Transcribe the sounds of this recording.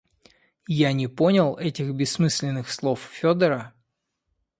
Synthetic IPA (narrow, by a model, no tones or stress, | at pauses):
janʲɪpo̞nʲɪlˠɛtʲɪxbʲɪsːmɨsʲlʲɪnːɨxslˠo̞ffʲod̪əɾə